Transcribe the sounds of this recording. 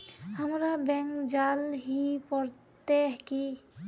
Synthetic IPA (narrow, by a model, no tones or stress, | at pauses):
həmɾabɛŋkd͡ʒalɦipɔɾ | t̪eɦki